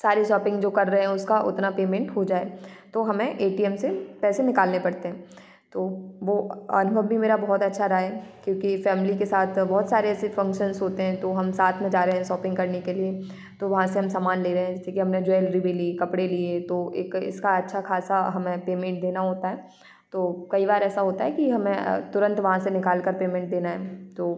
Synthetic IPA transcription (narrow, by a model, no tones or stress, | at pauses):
saːɾeʃɔːpɪ̃ŋɡd͡ʒoːkɐɾːɐɦeɦɛ̃ʊskaʔʊ̰t̪napeːmẽːɳʈɦod͡ʒaːet̪oɦɐmẽʔeːʈiɛmsepɛːsenɪkaːlnepɐɽt̪eɦɛ̃ː | t̪oːʋoɐ̰nʊbʱəbːʱimeːɾabɔɦɔt̪ɐtːʃʰaɾaɛkjõːkifɛːmlikesaːt̪ʰbɔɦːt̪saːɾeɛːsefɐ̃ŋkʃənsɦoːt̪eɦɛ̃t̪oɦɐmsaːt̪ʰmẽd͡ʒaːɾɐɦɛ̃ʃɔːpɪ̃ŋɡkɐɾnekelie | t̪oʋɐɦãseɦɐmsaːmaːnleːɾɐɦẽɛ̃d͡ʒɛːsekiɦɐmned͡ʒeːlɾibʱilikɐpɽeliet̪oḛːkɪ̰skaɐtːʃʰakʰaːsaɦɐmẽpeːmẽɳʈ̚d̪eːnaɦoːt̪aɦɛː | t̪oːkɐibaːɾɛːsaɦoːt̪aɦɛkiɦɐmẽt̪ʊɾə̃nt̪ʋɐɦãsenɪkaːlkɐɾpeːmɛ̃ːɳʈ̚d̪eːnaɦɛːt̪oː